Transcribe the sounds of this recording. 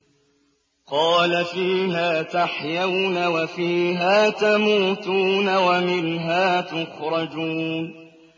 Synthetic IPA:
qɑːlafiːɦaːt̪aħjawnawafiːɦaːt̪amuːt̪uːnawamɪnɦaːt̪ʊxɾˤɑd͡ʒuːn

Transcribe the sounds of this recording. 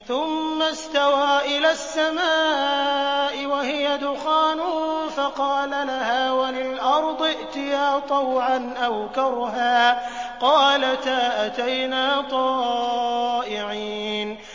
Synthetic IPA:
θʊmːast̪awaːʔɪlaːsːamaː | ʔɪwahɪjad̪ʊxaːnʊfɑqɑːlalahaːwalɪlʔɑɾˤd̪ˤɪʔt̪ɪjaːt̪ˤɑwʕanʔawkɑɾɦaːqɑːlat̪aʔat̪ajnaːt̪ˤɑː | ʔɪʕiːn

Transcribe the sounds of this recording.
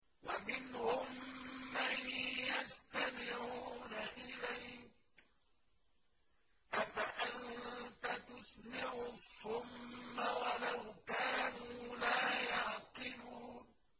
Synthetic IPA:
wamɪnhʊmːanjast̪amɪʕuːnaʔɪlajk̚ | ʔafaʔannt̪at̪ʊsnɪʕʊθʊmːawalawkaːnuːlaːjaʕqɨluːn

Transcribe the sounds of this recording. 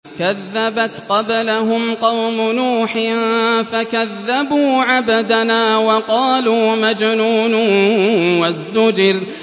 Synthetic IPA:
kaðːabat̪qɑblaɦʊmqɑwmʊnuːħɪnfakaðːabuːʕabad̪anaːwɑqɑːluːmad͡ʒnuːnʊ | wazd̪ʊd͡ʒɪɾ

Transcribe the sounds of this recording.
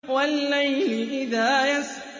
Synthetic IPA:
walːajlɪʔɪðaːjas

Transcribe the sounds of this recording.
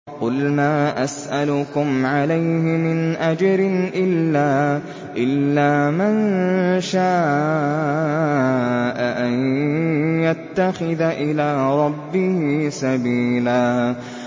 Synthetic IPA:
qʊlmaːʔasʔalʊkʊmʕalajhɪmɪnʔad͡ʒɾɪnʔɪlːaː | ʔɪlːaːmanʃaː | ʔaʔan | jat̪ːaxɪðaʔɪlaːɾˤɑbːɪhisabiːlaː

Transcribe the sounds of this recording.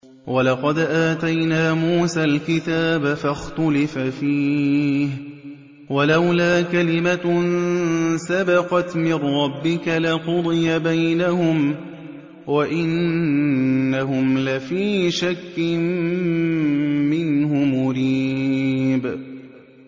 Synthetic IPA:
walɑqɑd̪ʔaːt̪ajnaːmuːsaːlkɪt̪aːbafaxt̪ʊlɪfafiːh | walawlaːkalɪma | sabɑqɑt̪mɪrːɑbːɪkalaqʊd̪ˤɨjabajnahʊm | waʔɪnː | aɦʊmlafiːʃakːɪm | ɪnhʊmʊɾiː | b

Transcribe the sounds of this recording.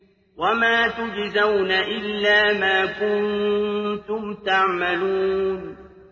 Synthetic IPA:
wamaːt̪ʊd͡ʒzawnaʔɪlːaːmaːkʊnn | t̪ʊmt̪aʕmaluːn

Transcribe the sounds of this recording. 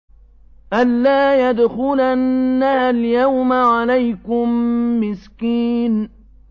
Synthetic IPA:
ʔanːaːjad̪xʊlanːaljawmaʕalajkʊmːɪskiːn

